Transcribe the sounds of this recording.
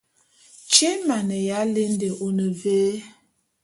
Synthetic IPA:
t͡ʃe˦ma˨ne˨ja˨˦le˦n̩˦de˨ʔo˨nə˨veː˦

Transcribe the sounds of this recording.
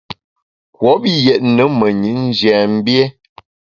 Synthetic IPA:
kwɔ˨˦bi˦jɛ˨tnə˨˦mə˨ɲi˨˦n̩˦d͡ʒjɛ˨m̩˦bjɛ˦

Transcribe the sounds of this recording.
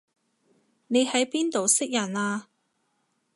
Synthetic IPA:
ne˨˧jhɐ˨˥jpiː˥nt̪o˨wsɪ˥k̚jɐ˨˩naː˧

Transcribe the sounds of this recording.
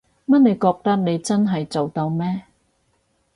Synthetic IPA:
mɐ˥t̚ne˨˧jkɔː˧k̚t̪ɐ˥k̚ne˨˧jt͡sɐ˥nɦɐ˨jt͡so˨wt̪ɐ˧wmɛː˥

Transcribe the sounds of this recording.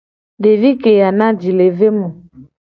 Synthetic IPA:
ɖe˨vi˦ke˨ja˨nã˦d͡ʒi˨le˨ve˦mũ˨

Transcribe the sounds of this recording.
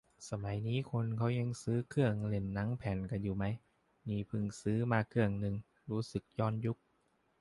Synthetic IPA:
sa˧ma˨˩˦jniː˦˥˨kʰo˧nkʰa˦˥˩wɲa˧ŋsɯː˦˥kʰɯ˧˩əŋle˧˩nːa˦˥˨ŋpʰɛː˨˩˦nka˧˩juː˨˩ma˦˥j | niː˧˩pʰɯ˧˩ŋsɯː˦˥maː˧kʰɯ˧˩əŋnɯ˨˧ŋ | ɾuː˦˥sɯ˨˩k̚jɔː˧˩nju˦˥k̚

